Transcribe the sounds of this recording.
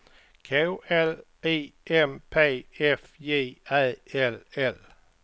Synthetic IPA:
kʰɛʊæl̥ | e̝̰ːʔempʰḛːefje̝̰ːæðˠelel

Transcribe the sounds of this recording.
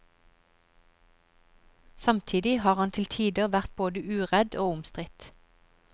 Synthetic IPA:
sɑmt̪ʰiːd̪ɪhɑːʁhɑnt̪ʰɪlt̪ʰiːd̪əʁʋæʁt̪̚boːd̪əʔʉːʁɛd̪oːʊmst̪ʁɪt̪

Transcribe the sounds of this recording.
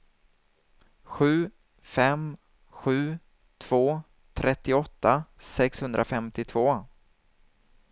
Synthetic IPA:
ɧʉ̟ː | fɛm | ɧʉ̟ː | t̪ʰv̥oː | t̪ʰɾʔɛt̪ːɪɔt̪ːasɛkshɵnd̪ɾʔafɛmt̪ɪt̪ʰvoː

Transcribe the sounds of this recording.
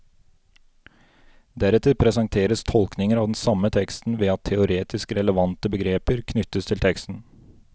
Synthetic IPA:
d̪æɾɛt̪ʰɪpʰɾɛsɑŋt̪ʰeːɾəst̪ʰɔlknɪŋəɾɑːʋd̪n̩sɑmət̪ʰɛkst̪n̩ʋeːɑt̪ʰːɛʊɾeːt̪ʰɪskɾɛləʋɑnt̪əbəɡɾeːpəɾkʰnʏt̪əst̪ʰɪlt̪ʰɛkst̪n̩

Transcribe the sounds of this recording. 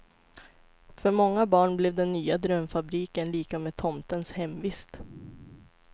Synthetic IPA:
fœɾmɔŋːabɑːɳblɛvd̪ɛnːyːad̪ɾœmfabɾiːkənliːkameːt̪ʰɔmt̪ənshɛmvɪst̪

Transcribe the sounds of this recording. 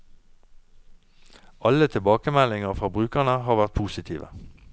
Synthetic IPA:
ʔɑlət̪ʰɪlbɑːkəmælɪŋəʁfʁɑːbʁʉːkəʁnəɦɑːʁʋæʁt̪̚pʰuːsɪt̪ʰḭːʋə̰

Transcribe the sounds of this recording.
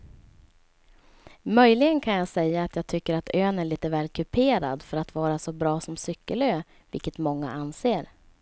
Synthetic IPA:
mœjlɪɡənkʰanjɑːɡsɛjːaːt̪jɑːɡ̚t̪ʰʏkːəɾat̪ʰøːnæɭiːt̪əvɛːlkʰɵpʰeːɾa̰d̪fœɾat̪vɑːɾasɔbɾɑːsɔmsʏkːəløː | vɪ̰lkət̪mɔŋːa̰ʔanseːɾ

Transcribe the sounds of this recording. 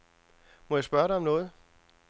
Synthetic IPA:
mɒjäɪsb̥ɶɐɾɑ̈ɒ̽mnɔ̽ːð̞̩ˠ

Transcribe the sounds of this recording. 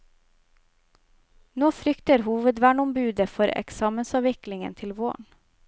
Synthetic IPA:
noːfɾʏkt̪əɾɦuːʋəd̪ʋæːɳɔmbʉːd̪əfɔɾɛ̰ksɑːmənsɑːʋɪklɪŋə̰nt̪ʰɪlʋo̰ːɳ

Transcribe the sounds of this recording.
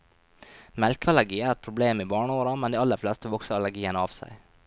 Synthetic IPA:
mɛlkəɑlæɾɡiːæːɾɛt̪̚pʰɾʊbleːmiːbɑːɳəoːɾɑmɛnd̪iːɑlːəɾflɛst̪əʋɔksəɾɑlæɡiːənəɑːʋsæ̰ɪ

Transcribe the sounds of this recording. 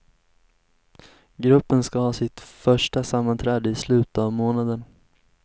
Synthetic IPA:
ɡɾɵpːənskahɑːsɪt̪fœʂʈasamːant̪ʰɾɛːd̪əɪslʉ̟ːt̪avmoːnad̪ən

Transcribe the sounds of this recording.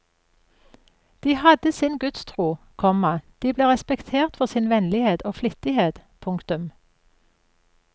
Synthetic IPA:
d̪̥iːhɑd̪əsɪnɡʉt̪st̪ʰʁuː | kʰɔmɑd̪̥iːbleːʁɛspɛkt̪ʰeːʁt̪fɔʁsɪnʋɛnlɪheːd̪oːflɪt̪ɪheːd̪̥pʰʊŋkt̪ʉm

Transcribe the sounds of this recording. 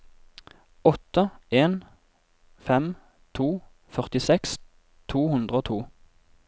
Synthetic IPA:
ɔt̪əeːn | fɛm | t̪ʰuː | fœʁt̪ɪsɛks | t̪ʰuːhʉnd̪ʁəoːt̪ʰuː

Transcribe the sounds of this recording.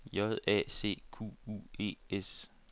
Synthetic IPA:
jɒðˠɛ̰ːse̝̰ːkʰṵːṵe̝̰ːes

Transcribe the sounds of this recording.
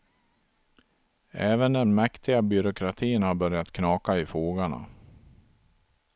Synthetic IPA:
ɛːvənd̪ɛnmɛkt̪ʰɪɡabʏɾʊkʰɾat̪ʰiːənhaɾbœɾjat̪kʰnɑːkaɪfoːɡaɳa̰

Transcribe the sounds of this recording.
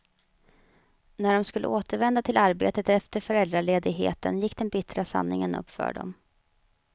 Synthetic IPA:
næɖɔmskɵlːə̰ʔoːt̪əɾvɛnd̪at̪ʰɪlaɾbeːt̪ət̪ɛft̪əɾfœɾɛld̪ɾaɭeːd̪ɪɡɦḛːt̪ə̰njɪkːd̪ɛnbɪt̪ɾasa̰nːɪŋənɵ̰pːfœ̰ːɖɔ̰m

